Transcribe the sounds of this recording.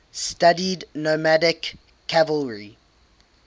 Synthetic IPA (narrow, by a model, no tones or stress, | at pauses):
stʌdidnomædɪkʰː | ævəlɹi